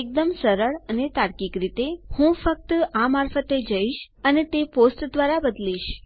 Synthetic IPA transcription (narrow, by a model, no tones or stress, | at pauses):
ek̚d̪əmsəɾəɭənet̪aɾkikɾit̪ehũfək̚t̪amaɾfət̪ed͡ʒəiʃ | ənet̪eposʈd̪ʋaɾabəd̪liʃ